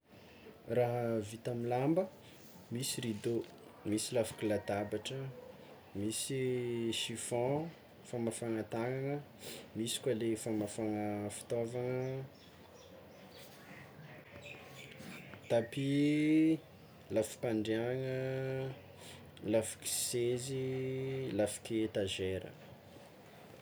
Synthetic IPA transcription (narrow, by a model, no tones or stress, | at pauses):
raɦəvit̪amilambə | misiɾid̪o | misilafi̥kʲilat̪abaʈ͡ʂə | misiʃifɔ̃ | famafaŋat̪aŋaŋə | misi̥kʲalefamafaŋəfi̥t̪ovaŋə | t̪api | lafi̥paɳɖ͡ʐeaŋə | lafi̥kʲi̥sezi | lafi̥kʲet̪aʒeɾə̰